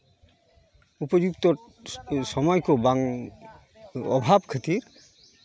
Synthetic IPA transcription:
upɔd͡ʒukt̪ɔ | sɔmɔjkobaŋ | ɔbʱabkʰət̪iɾ

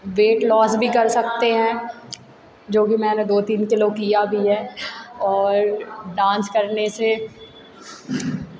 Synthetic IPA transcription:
ʋeːʈlɔːsbʱikɐɾsɐk̚t̪eɦɛ̃ː | d͡ʒoːkimɛ̃ːned̪oːt̪iːnkɪlokijabʱiɦɛ̃ːɔːɾɖãːnskɐɾnese

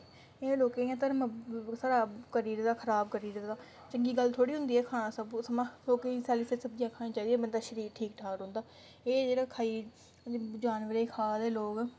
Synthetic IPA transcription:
eːloːkẽːãːt̪əɾməsaːɾaːkəɾiːɾd̪aːkʰəɾaːbkəɾiːɾd̪aː | t͡ʃəŋɡiːɡəlt̪ʰoːɽiːɦʊ̃nd̪iːɛːkʰaːnãːsəbsəmãːloːkẽsɛːlɪfʰesəb̚d͡ʒiãːkʰaːniːt͡ʃaːiːd̪iːɛːbənd̪aːʃəɾiːkʈʰːiːkʈʰaːɾɦʊ̃nd̪aː | eːd͡ʒeːɽaːkʰaːiː | d͡ʒaːnʋəɾeːkʰaːd̪eːloːkː

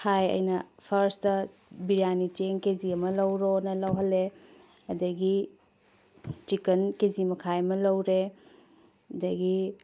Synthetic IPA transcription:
hajɐ̰jnɐpʰɐɾstɐ | biɾanit͡ʃeŋkeziɐmɐlɐwɾonɐlɐwɦɐlːe | ɐdɐɡi | t͡ʃikɐnkezimɐkʰajɐmɐlɐwɾe | ɐdɐɡi

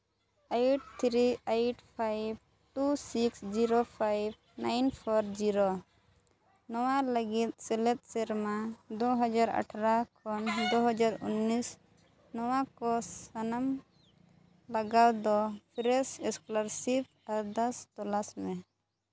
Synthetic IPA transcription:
ajʈ̚t̪ʰɾiajʈpʰajb̚ | ʈusiksd͡ʒiɾopʰajb | najnpʰɔɾd͡ʒiɾɔ | nɔwaləɡit̪̚sɛlɛt̪̚sɛɾmad̪ɔɦɔd͡ʒaɾa̰ʈʰaɾakʰɔnd̪ɔɦɔd͡ʒaɾṵnːis | nɔwakɔsanam | laɡawd̪ɔpʰiɾɛsɛskɔlaɾsip̚ʰ | ad̪ast̪ɔlasmɛ

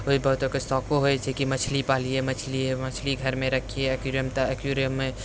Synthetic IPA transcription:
oibəɦʊt̪əkesɔkoɦoet͡ʃʰekimət͡ʃʰlipaːliemət͡ʃʰliemɐt͡ʃʰliɡʱəɾmẽɾəkʰieɐkjuɾijəmt̪əɐkjuɾijəmːẽ

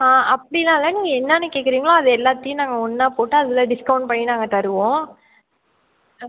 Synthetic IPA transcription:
ãːɐpːɐɽɪnaːlɐniːŋɡɐɛnːanːɯkeːkːɪɾiːŋɡɐɭãːɐðɯɛlːaːt̪ːɐjʊ̃naːŋɡɐɔnːaːpoːʈːɯɐðɪlɐɖɪskɐʊɳɖ̚pɐɳːinaːŋɡɐt̪ɐɾɯʋõː

